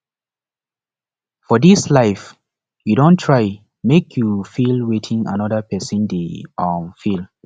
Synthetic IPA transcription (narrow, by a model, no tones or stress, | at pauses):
fɔdislaɪf | judõntʰɹ̥aɪ | mekʰjufilwetʰĩŋa̰nɔðəpʰɛsə̃ndeɔmfilˠ